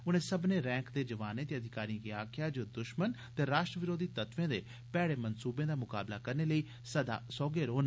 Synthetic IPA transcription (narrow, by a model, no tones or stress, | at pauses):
ʊnẽːsəbneːɾɛ̃ːŋkd̪eːd͡ʒəʋaːnẽːt̪eːəd̪ʱɪkaːɾĩkiaːkʰjaːd͡ʒoːd̪ʊʃmən | t̪eːɾaːʃʈɾəʋɪɾoːd̪iːt̪ət̪ʋẽːd̪ḛː | pɛːɽeːmənsuːbẽːd̪aːmʊka̰ːblaːkəɾneːləiː | səd̪a̰ːsɔːɡeːɾoːn